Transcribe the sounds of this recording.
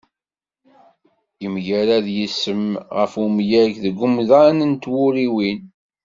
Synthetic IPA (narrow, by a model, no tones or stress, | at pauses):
jəmʝæɾæðjəsːəmʁəfumjækðəɡːʊmðanənt̪wʊɾiwin